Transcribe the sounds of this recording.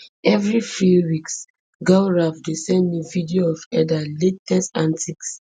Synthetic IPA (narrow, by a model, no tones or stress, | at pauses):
ɛvɹifɹiwiks | ɡawɹavdesɛ̃nnuvidioɔvɛdaletɛsãntʰiks